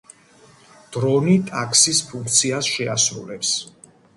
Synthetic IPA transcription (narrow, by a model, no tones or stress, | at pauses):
d̪̥ɾɔnit̪ʼakʰsispʰuŋkʰt̪sʰiasʃɛasɾṵlɛps